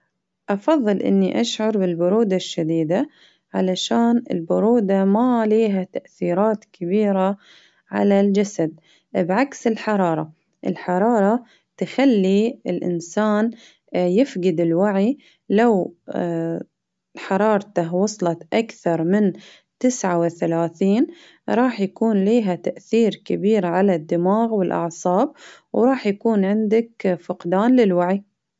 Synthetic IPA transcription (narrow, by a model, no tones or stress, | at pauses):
ʔɑfɑðˤːɨlʔɪ̰nːiʔaʃʕɑɾˤbɪlbʊɾuːd̪aʃːad̪iːd̪a | ʕalaʃaːnɪ̰lbʊɾuːd̪amaliːɦat̪aʔθiːɾɑːt̪kʰɪbiːɾa | ʕa̰lald͡ʒasad̪̚ | bʕaksɪlħɑɾˤɑːɾˤɑ | ʔɪlħɑɾˤɑːɾˤɑ | t̪ɪxalːiɪlʔɪ̰nsaːn | jɪfɡɪd̪ɪlwaʕi | law | ħɑɾˤɑːɾˤt̪aɦwɑsˤlɑt̪ʔakθɑɾˤmɪn | t̪ɪsʕawɪθalaːθiːn | ɾˤɑːħjakuːnliːɦat̪aʔθiːɾkɪbiːɾʕalad̪ːɪmaːɣwɪlʔɑ̰ʕsˤɑːb̚ | wɾˤɑːħjakuːnʕɪnd̪akfɪqd̪aːnlɪlwaʕi